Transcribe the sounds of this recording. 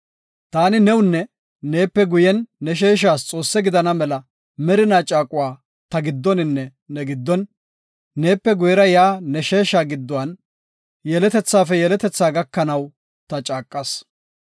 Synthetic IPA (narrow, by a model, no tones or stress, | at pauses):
t̪aːnɪnɛwʊnːɛ | ne̞ːpːɛɡʊjɛnːɛʃ̬e̞ːʃ̬aːst͡sʼo̞ːsːɛɡɪd̪ɐnɐmɛlɐ | mɛɾɪnaːt͡ʃʼaːkʼʊwaː | t̪ɐɡɪd̪ːɔnɪnːɛ | nɛɡɪd̪ːɔnː | e̞ːpːɛɡʊjɛɾɐjaːnɛʃe̞ːʃaːɡɪd̪ːʊwɐn | jɛlɛt̪ɛt͡sːaːfɛjɛlɛt̪ɛt͡sːaːɡɐkːɐnɐw | t̪ɐt͡ʃʼaːkʼːɐs